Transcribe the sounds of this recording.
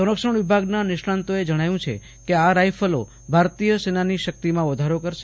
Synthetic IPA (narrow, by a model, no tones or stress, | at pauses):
səɾəkʃəɳ̃ʋɪbʱaɡnanɪʃãnt̪oed͡ʒəɽ̃ajũt͡ʃʰḛ | keaɾajfʰəlo | bʱaɾt̪ijəsenaniʃək̚t̪imãʋəd̪ʱaɾokəɾʃe̥